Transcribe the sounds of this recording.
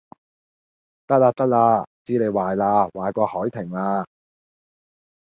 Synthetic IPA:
t̪ɐ˥k̚laː˧t̪ɐ˥k̚laː˧t͡siː˨˥le˨˧jwaː˨jlaː˧waː˨jkʷɔː˧hɔː˨˥jt̪ʰɪ˨˩ŋlaː˧

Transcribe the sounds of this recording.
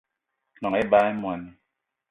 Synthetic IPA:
nɔ˨ŋɛ˦ba˦ɛ˦mwa˨ni˨

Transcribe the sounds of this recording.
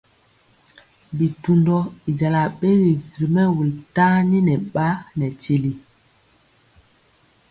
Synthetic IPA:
bi˨tu˨ndɔ˦i˨d͡ʒa˨la˨ɓe˦ɣi˨ɾi˨mɛ˦wu˨lta˦ni˦nɛ˨ɓa˦nɛ˨ti˨li˨

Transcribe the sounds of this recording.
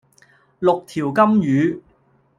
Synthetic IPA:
lʊ˨k̚t̪ʰiː˨˩wkɐ˥mjyː˨˧˥

